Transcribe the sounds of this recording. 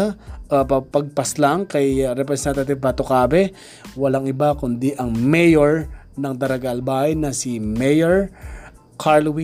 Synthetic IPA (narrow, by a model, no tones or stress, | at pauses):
ʔpɐpɐɡ̚pɐslaŋkɐjɾɛpɾɛsɛnt̪ɐt̪ɪv̚pɐt̪okaːbɛ | wɐlaŋɪbakʊnd̪iʔɐŋmɛjoɹ | nɐŋd̪ɐɾɐɡaʔːlbaːhɐjnɐsimɛjoɹ | kʰaɹlwi